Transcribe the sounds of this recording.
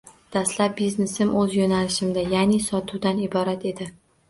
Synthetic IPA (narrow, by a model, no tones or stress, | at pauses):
d̪̥ast̪lap̚bizne̞sɪmʔɵzjonalɪʃɪmd̪ajanisɒt̪ʰuwd̪anɪbɒɾat̪e̞d̪ɪ